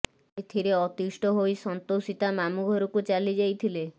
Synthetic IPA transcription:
et̪ʰiɾeɔt̪isʈɔɦojsɔnt̪osit̪amamuɡʱɔɾukut͡ʃalid͡ʒajt̪ʰile

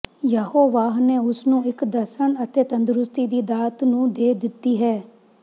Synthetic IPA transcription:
jəhoːʋaːɦneːʊsnũːɪkd̪əsəɳət̪eːt̪ə̃nd̪ɾʊst̪iːd̪iːd̪aːt̪nũːd̪eːd̪ɪt̪ːiːɦɛː

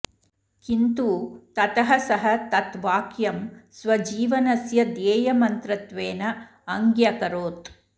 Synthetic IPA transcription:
kint̪uːt̪ɐt̪ɐɦɐsɐɦɐt̪ɐt̪ʋaːkjɐmsʋɐd͡ʒiːʋɐnɐsjɐd̪jeːjɐmɐnt̪ɾɐt̪ʋeːnɐː | ŋɡjɐkɐɾoːt̪

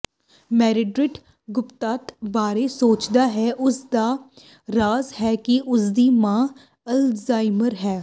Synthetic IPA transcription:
mɛːɾɪɖɾɪʈ | ɡʊpt̪aːt̪baːɾeːsoːt͡ʃd̪aːɦɛːʔʊsd̪aː | ɾaːzhɛːkɪʔʊsd̪iːmãː | əlzaːɪməɾɦɛː

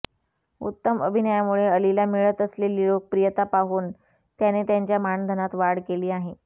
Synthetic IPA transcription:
ṵt̪ːəməbʱinəjamuɭeəlilamiɭət̪əsleliːɭok̚pɾijət̪apaɦuːn | t̪janet̪jaɲt͡ɕjamand̪ʱənat̪ʋaɽkeliːaɦe

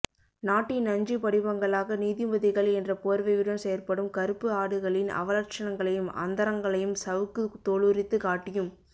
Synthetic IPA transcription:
naːʈːɪnɐɲd͡ʒipɐɽɪbɐŋɡɐɭaːɣɐniːðɪmɐðɪɣɐɭɛndrɐpoːɾʋɐɪɯɽɐmsɛjɐɾpɐɽɯmkɐɾɯpːɯaːɽɯɣɐɭɪnɐ̰ʋɐlɐɾt͡ʃɐnɐŋɡɐɭɐjɯmɐ̰nd̪ɐɾɐŋɡɐɭɐjɯmsɐʋɯkːɯt̪ːoːɭɯɾɪt̪ːɯkaːʈːɪjɯm

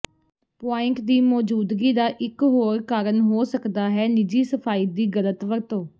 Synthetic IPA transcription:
paːɪŋkd̪iːmɔːd͡ʒuːd̪ɡiːd̪aːʔɪkɦoːɾkaːɾənɦoːsəkd̪aːɦɛːnɪd͡ʒiːsəpʰaːiːd̪iːɡələt̪ʋəɾt̪õː

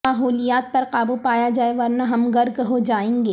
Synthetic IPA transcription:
aːɦoːlijaːt̪̚pɐɾqaːbupaːjad͡ʒaːeʋɐɾnaɦɐmɡɐɾɡɦod͡ʒaːẽːŋɡeː

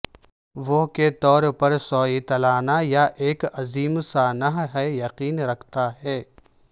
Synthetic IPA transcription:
ʋoɦket̪ɔːɾpɐɾsɔːit̪ɐlaːnajaʔeːkɐziːmsaːnəɦɦɛjɐqiːnɾɐkʰt̪aɦɛː

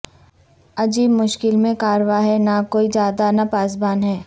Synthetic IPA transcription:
ɐd͡ʒiːbmʊʃkɪlmẽkaːɾʋaɦɛnakoːid͡ʒjaːd̪anapaːs̬baːnɦɛː

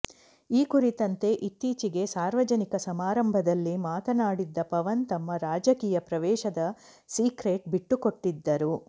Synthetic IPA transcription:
iːkuɾit̪ɐnt̪e̞ʔit̪ːiːt͡ʃiɡe̞saːɾʋɐd͡ʒɐnikɐsɐmaːɾɐmbʱɐd̪ɐlːimaːt̪ɐnaːɽid̪ːɐpɐʋɐnt̪ɐmːɐɾaːd͡ʒɐkiːjɐpɾɐʋɛːʃɐd̪ɐ | siːkɾeːʈ̚biʈːuko̞ʈːid̪ːɐɾu

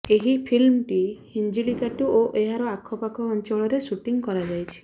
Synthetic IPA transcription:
eɦipʰilmʈihind͡ʒilikaʈuoʔeɦaɾɔakʰɔpakʰɔːnt͡ʃɔɭɔɾesuʈiŋkɔɾad͡ʒajt͡ʃʰi̥

